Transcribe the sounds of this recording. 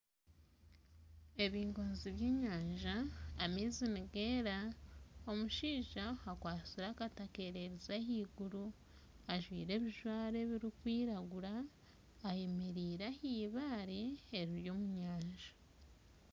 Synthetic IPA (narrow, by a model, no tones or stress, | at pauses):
e̞βiːŋɡoːnziβjeːɲaːɲʒaːmeziniɡe̞ːɾaomuʃiːʒahakwaːt͡siɾakatake̞ɾe̞ɾizahiːɡuɾu | aʒwḭːɾe̞βiʒwaːɾe̞βiɾikwiːɾaɡuɾaː | je̞meɾiːɾahiːβaːɾeːɾiɾjo̞ːmuɲaːɲʒḁ